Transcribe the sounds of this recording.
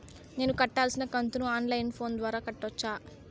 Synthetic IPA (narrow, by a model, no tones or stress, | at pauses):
ne̞ːnukɐʈːaːlsinɐkɐnt̪unuaːnlɐjnpʰo̞ːnd̪ʋaːɾaːkɐʈːɐt͡ʃːaː